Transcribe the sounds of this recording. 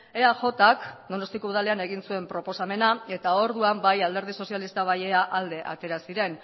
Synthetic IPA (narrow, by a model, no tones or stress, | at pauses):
e̞aʝo̞t̪akd̪o̞no̞st̪ikouðale̞ane̞ɣinsue̞mpɾo̞po̞same̞nae̞t̪ao̞ɾðuambajald̪e̞ɾð̞iso̞sialist̪aβaje̞aʔald̪e̞ʔa̰t̪e̞ɾasiɾe̞n